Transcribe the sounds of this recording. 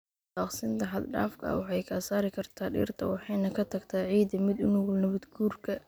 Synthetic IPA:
bɑːqsɪnt̪ʰɐɦɐd̪ɖa̰ːfkʰɐ̰ɐ̰wɑħɑjkʰɐsaːɾɪkʰɐrt̪ʰaːɖḭːrt̪ʰɐwɑħɑjnɐkʰɐt̪ʰɐɡt̪ʰaːʕiːd̪ɐmɪd̪ʊnʊwʊlnɐβɐd̪ɡuːrkʰɐ

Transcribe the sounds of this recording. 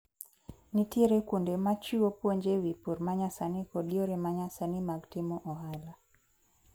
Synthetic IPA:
nitiɾɛkundɛmat͡ʃiɔpwɔɲd͡ʒɛwipuɾmaɲasanikɔdiɔɾɛmaɲasanimaɡtimɔʔɔɦala

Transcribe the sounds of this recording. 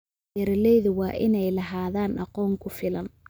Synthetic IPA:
ɐɾlɛjðʊwɑːʔɪnɛjlɐɦaːðaːnɑqɔːŋkʰʊfɪlɐn

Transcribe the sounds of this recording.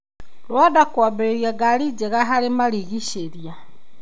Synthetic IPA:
lwadakwabeeɾjaɡaɾid͡ʒeɣaɦaɾemaɾiɣiʃeɾja

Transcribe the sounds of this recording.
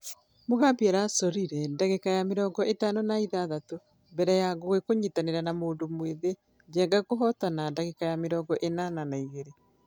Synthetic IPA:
moɣaːmbiɛɾasɔɾiɾɛndaɣekajameɾɔːŋɡɔʔetanonaiðaðato | mbɛɾɛjaɣoɣekoɲitaneɾanamoːndomweðe | d͡ʒɛːŋɡakoɦɔtanandaɣekajameɾɔːŋɡɔʔenananaiɣeɾe

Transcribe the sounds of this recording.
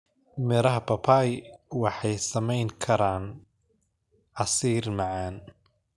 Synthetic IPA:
mɪɾɐɦɐpʰɐpʰajwɑħɑjsɐmɛjŋkʰɐɾaːn | ʕɑsiːrmɑʕɑːn

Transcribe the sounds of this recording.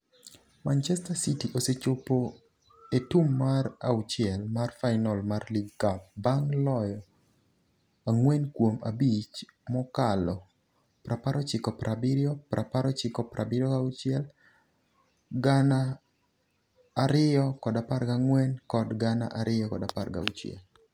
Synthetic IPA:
mant͡ʃɛstasitiʔoset͡ʃopo | etumːaɾa̰wt͡ʃɪɛlmarfaɪnɔlmarliɡkap̚baŋlɔjɔ | aŋwɛnkwoma̰bit͡ʃmɔkalɔ | pɾʔapaɾɔt͡ʃɪkɔpɾʔabɪɾjɔpɾʔapaɾɔt͡ʃɪkɔpɾʔabɪɾjɔaut͡ʃɪɛl | ɡana | ɾɪjɔkɔdapaɾɡaŋwɛnkɔdɡana̰ʔaɾʔɪjɔkɔdaparɡa̰ut͡ʃjɛ̰l

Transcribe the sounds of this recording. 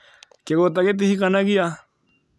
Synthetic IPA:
keɡot̪̬aket̪̬ihikanakia

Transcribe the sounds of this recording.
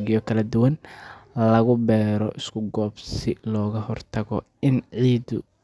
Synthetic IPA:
ɣɪjɔkʰɐlɐd̪ʊwɐnlɐɣʊbɛːɾɔʔɪskʰʊɡɔːbsɪlɔːɣɐhɔrt̪ʰɐɣɔ | ɪnʕiːd̪ʊ

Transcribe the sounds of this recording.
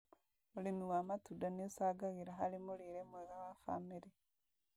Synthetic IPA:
mulimiwamatudaniusaɡaɣiɾaɦalimuliɾemweɣawafa̰miɾi

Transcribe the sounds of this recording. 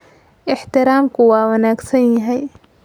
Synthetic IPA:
ʔɪħt̪ɪɾaːmkʰʊwaːwɐnaːɡsɐnjɐɦɛj

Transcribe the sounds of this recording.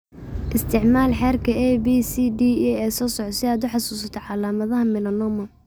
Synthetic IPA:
ʔɪst̪ʰɪʕmaːlħɛːrkʰɐʔɛbiːsid̪iːɛɛːsɔːsɔʕsɪaːd̪ʊħɑsuːsɐt̪ʰɔʕɑlaːmɐðɐɦɐmɪlɐnɔmɐ

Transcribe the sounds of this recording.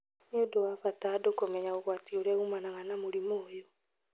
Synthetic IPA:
niodowafataːdokomɛɲaoɣwatioɾɛɣumanaɣanamoɾimoːjo

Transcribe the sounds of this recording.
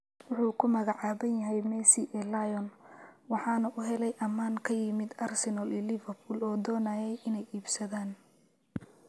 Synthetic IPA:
wʊħuːkʰʊmɐɣɑʕɑːβɐnjɐɦɛjmɛsiʔɛlajɔnwɑħɑːnɐʔʊɦɛlɛjʔɐmaːŋkʰɐjɪmɪd̪ɐrsɛnɐlilɪvɐrbulɔːd̪ɔːnaːjɛjʔɪnɛjiːbsɐðaːn

